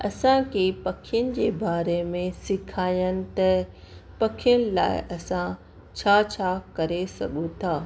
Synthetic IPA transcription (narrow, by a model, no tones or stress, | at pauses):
ɐsãkepɐkʰɪjənɪ̆d͡ʑeːbaːɾemẽsɪkʰaːjənɪ̆t̪ɐ | pɐkʰijənɪ̆la̰ːɪ̰ʔɐsã | t͡ɕʰat͡ɕʰakɐɾesɐ̰ɠũt̪ʰaː